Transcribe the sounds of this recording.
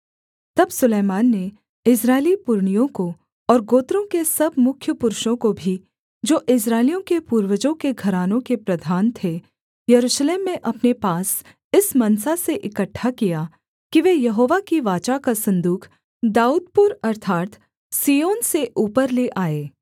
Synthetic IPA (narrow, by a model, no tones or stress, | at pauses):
t̪ɐbsʊleːmaːnːe | ɪs̬ɾaːɪlipʊɾɳ̃ijõko | ɔːɾɡoːt̪ɾõkesɐbmʊkʰjəpʊɾʃõkobʱi | d͡ʒoːʔɪs̬ɾaːɪlijõkepuːɾʋəd͡ʒõkeɡʱɐɾaːnõkepɾɐd̪ʱaːnt̪ʰe | jɐɾuːʃleːmːẽʔɐpnepaːs | ɪsmɐnsaseʔɪkəʈʰːakija | kiʋeːjɐɦoːʋakiʋaːt͡ʃakasɐ̃nd̪uːkʰ | d̪aːuːd̪̚pʊɾɐɾt̪ʰaːt̪ | siːjoːnseʔuːpəɾleʔaːeː